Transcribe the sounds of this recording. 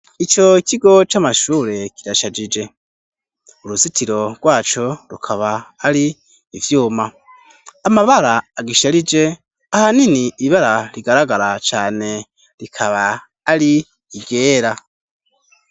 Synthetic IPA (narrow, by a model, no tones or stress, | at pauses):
it͡ʃo̞ikʰiɡo̞t͡ʃamaʃuːɾe̞kiɾaʃad͡ʒid͡ʒe̞ | uɾusitiɾo̞ɡ̥waːt͡ʃo̞ɾukʰaβaːɾiː | vjuːmaː | maβaɾaːɡiʃaɾid͡ʒe̞ | ahaniniːβaɾaɾiɡaɾaɡaɾat͡ʃaːne̞ | ɾikʰaβaː | ɾiː | ɡe̞ːɾa